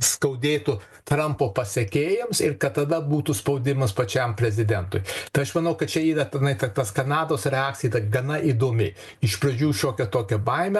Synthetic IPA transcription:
skɐʊd̪ʲeːt̪ʊ | t̪ɾɐmpoːpɐsʲɛkʲeːjɪmsɪrkɐt̪̚t̪ɐd̪ɐbuːt̪uspɐʊd̪ʲɪmɐspɐt͡ʃʲɛmpʲɾʲɛzʲɪd̪ʲɛnt̪ʊjt̪ɐɪɐʃmɐnɐʊkɐt̪t͡ʃʲɛiːdɐt̪ʲɛnɐɪt̪ɐt̪ɐskɐnɑːd̪oːsɾʲɛɑːk̚t͡sʲsʲɪjiːt̪ɐɡɐnɐʔiːd̪oːmʲɪ | ɪʃpɾɐd͡ʒʲuːʃʲoːkʲɛt̪oːkʲɛbɐɪmʲɛ

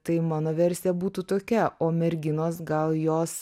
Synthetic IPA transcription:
t̪ɐɪmɑːnoːʋʲɛɾʲsʲɛbuːt̪uːt̪oːkʲɛʔoːmʲɛɾʲɡʲɪnoːsɡɐlˠjoːs

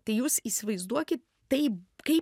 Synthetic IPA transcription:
t̪ɐɪjuːsiːsʲɪʋɐɪzd̪uɔkʲɪt̪̚ | tɐɪpkɐɪ

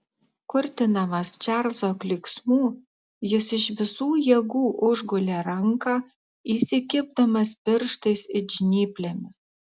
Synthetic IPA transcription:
kʊɾʲt̪ʲɪnɐmɐst͡ʃʲɛɾzoklʲiksmuː | jɪsɪʃʋʲɪsuːjɛɡuːʔʊʒɡʊlʲeɾɐŋkɑː | iːsʲɪkʲɪb̚d̪ɐmɐspʲɪɾʃt̪ɐsɪd͡ʒʲnʲiːpʲlʲemʲɪs

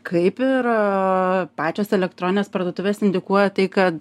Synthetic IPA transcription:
kʰɐɪpɪɾ | pɑːt͡ʃʲoːsɛlʲɛk̚t̪ɾoːnʲɪnʲeːspɐɾd̪uɔt̪ʊʋʲeːsɪnʲd̪ʲɪkuɔjɛt̪ɐɪkɐt̪

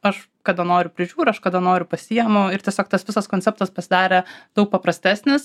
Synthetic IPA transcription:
ɐʃ | kɐd̪ɐnoːɾʲʊpʲɾʲɪʒʲuːɾʲɐʃkɐd̪ɐnoːɾʲʊpɐsʲijɛmʊɪɾt̪ʲiɛsʲoːk̚t̪ɐsʋʲɪsɐskoːnʲsʲɛp̚t̪ɐspɐsʲɪd̪ɑːɾʲɛd̪ɐʊk̚pɐpɾɐsʲt̪ʲæːsʲnʲɪs

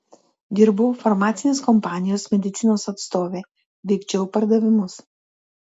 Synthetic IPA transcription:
d̪ʲɪɾbʊːfɔɾmɑːt̪sʲɪnʲeːskɔmpɑːnʲɪjoːsmʲɛd̪ʲɪt̪sʲɪnoːsɐt̪st̪oːʋʲeː | ʋʲɛɪkt͡ʃʲɛʊpɐɾd̪ɐʋʲɪmʊs

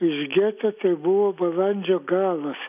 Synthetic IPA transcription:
ɪʃɡʲet̪ɐt̪ɐɪbʊʋoːbɐlˠɐnʲd͡ʒʲoːɡɑːlˠɐs

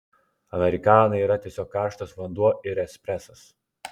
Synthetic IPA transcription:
ɐmʲɛɾʲɪkɑːnɐɪiːɾɐt̪ʲiɛsʲɔːkːɑːʃt̪osʋɐnd̪uɔɪɾɛsʲpʲɾʲɛsɐs

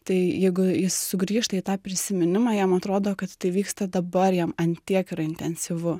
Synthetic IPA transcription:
t̪ɐɪjɛɪɡʊjɪssʊɡɾʲiːʃt̪ɐit̪ɑːpʲɾʲɪsʲɪmʲɪnʲɪmɑːjɛmɐt̪ɾoːd̪oːkɐt̪t̪ɐɪʋʲiːkst̪ɐd̪ɐbɐrjɛmɐnʲt̪ʲiɛkɪɾɐɪnʲt̪ʲɛnʲsʲɪʋʊ

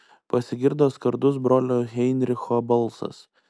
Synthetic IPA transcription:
pɐsʲɪɡʲɪɾd̪oːskɐɾd̪ʊs̬bɾoːlʲoːɣʲɛɪnʲɾʲɪxoːbɐlˠˑsɐ̰s

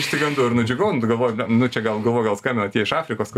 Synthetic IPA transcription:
ɪʃʲt̪ʲɪɡɐnd̪uːɪɾnʊd͡ʒʲɛɡoʊnɡɐlˠʋoːjɛɛnʊt͡ʃʲɛɡɐlˠɡɐlˠʋoːjɡɐlˠskɐmʲbʲɪnɐt̪ʲiɛɪʃɑːɾʲɪkoːsk

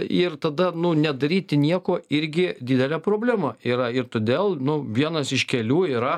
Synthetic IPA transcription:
ɪrt̪ɐd̪ɐnʊnʲɛd̪ɐɾʲiːt̪ʲɪnʲiɛkoːɪɾʲɡʲɪd̪ʲid̪ʲɛlʲæːpɾoːbʲlʲæːmɐiːɾɐɪɾt̪oːd̪ʲeːlˠnʊʋʲiɛnɐsɪʃkʲɛlʲuːiːɾɐ

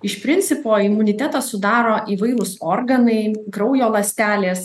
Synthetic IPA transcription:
ɪʃpʲɾʲɪnʲt̪sʲɪpoːɪmʊnʲɪt̪ʲæt̪ɐssʊd̪ɑːɾoːʔiːʋɐɪlˠʊsoːɾɡɐnɐɪɡɾɒʊjoːlˠɐsʲt̪ʲæːlʲeːs

